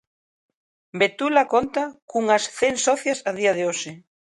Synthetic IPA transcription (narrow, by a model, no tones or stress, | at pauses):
bet̪ulakont̪akuŋɐsθensɔθjɐsaðiɐðeoʃɪ